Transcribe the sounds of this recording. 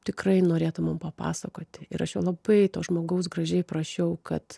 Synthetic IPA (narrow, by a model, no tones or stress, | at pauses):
t̪ʲɪkrɐɪnoːɾʲeːt̪ʊmɐmpɐpɑ̰ːsɐkoːt̪ʲɪɪɾɐʃjoːlˠɐbɐɪt̪oːsʒmoːɡɐʊs̬ɡɾɐʒʲɛɪprɐʃʲɛʊkɐt̪